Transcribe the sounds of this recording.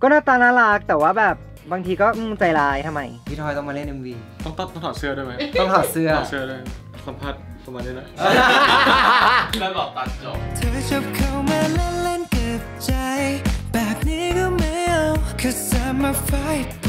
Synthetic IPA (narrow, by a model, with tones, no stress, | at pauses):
kɔː˥˩naː˥˩t̪aː˧naː˥˩laː˦˥k̚t̪ɛː˨˩waː˥˩bɛː˨˩p̚ | baː˧ŋt̪ʰiː˧kɔː˥˩ɯ˥˩t͡ɕa˧jlaː˧˥jt̪ʰa˧mːa˧jpʰi˦˥t̪ʰɔː˧jt̪ɔ˥˩ŋmaː˧le˥˩nʔe˧nwiː˧t̪ɔ˥˩ŋt̪ɔ˥˩t̪ɔ˥˩ŋt̪ʰaː˨˩sɯ˥ɐdaː˥˩jma˦˥t̪ɔː˥˩ŋtʰaː˨˩sɯ˥˩ɐ˨˩sɯ˥˩ɐdaː˥˩ | sa˨˦mpʰaː˥˩t̪̚ | pa˧maː˧niː˦˥nɔ˨˩ʔ | lɔː˨˩t̪a˨˧˩k̚t͡ɕo˨˩t̪ʰə˧˥t͡ɕɔ˧p̚kʰa˧wma˧lɛ˦˧lɛ˥nkə˨˧˩ | t͡ɕa˧jbɛ˨˩p̚ni˦ɡo˧mɛ˦lkʰɔ˧zsa˧mə˧fa˧˥jt̚